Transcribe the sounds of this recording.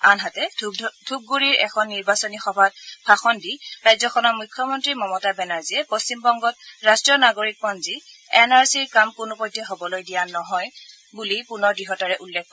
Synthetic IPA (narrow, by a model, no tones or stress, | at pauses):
anɦatɛdʰʱub̚ɡuɹiɹɛkʰɔnːiɹbasɔnixɔbʱatpʰaxɔndiɹajzɔxʰɔnɔmukʰːjɔmɔntɹimɔmɔtabɛnaɹziɛpɔst͡ʃimbɔŋɡɔt̚ɹastɹɔnaɡoɹik̚pɔnzi | ɛnaɹsiɹkamkʊnʊpɔjtːɛɦobɔlojdijanɔɦɔj | bulipunɔɹdiɦɔtaɹɛʔulːɛk̚ʰkɔ